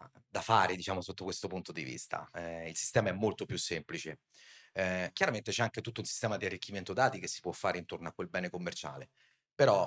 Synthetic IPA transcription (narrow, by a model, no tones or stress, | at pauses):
d̪afaːɾed̪it͡ʃaːmosot̪ːokwest̪opunt̪od̪ḭvḭst̪ʰa̰ɛilsist̪ɛːmaɛmːolt̪opjusːemplit͡ʃe | k̟jaɾament̪et͡ʃɛaŋket̪ut̪ːounsi̥st̪ɛːmad̪iarːikːiment̪od̪aːt̪ik̟esːi̥pwɔfːaːɾeint̪ornoakwelbɛːnekomːert͡ʃa̰ːlḛ | peɾɔ